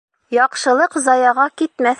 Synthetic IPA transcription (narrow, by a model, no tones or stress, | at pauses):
jɒqʃɤ̆lˠɤqzɑjɑʁɑkit̪mæθ